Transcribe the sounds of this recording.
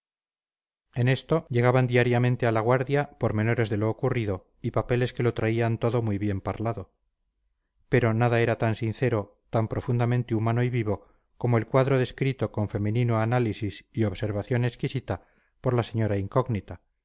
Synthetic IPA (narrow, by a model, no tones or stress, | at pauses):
e̞ne̞st̪o̞ʝe̞ɣ̞aβand̪iaɾjamẽ̞nt̪e̞alaɣ̞waɾðjapo̞ɾmẽ̞no̞ɾe̞zðe̞lo̞ːkuriðo̞ | ipape̞le̞ske̞lo̞t̪ɾaiant̪o̞ðo̞mujβje̞mpaɾlaðo̞ | pe̞ɾo̞naðae̞ɾat̪ansinθe̞ɾo̞ | t̪ampɾo̞fund̪amẽ̞nt̪eumano̞iβiβo̞ | ko̞moelkwaðɾo̞ðe̞skɾit̪o̞ko̞ɱfe̞mẽ̞nĩnoanalisisioβse̞ɾβaθjo̞ne̞skisit̪a | po̞ɾlase̞ɲo̞ɾaiŋko̞ɣnit̪a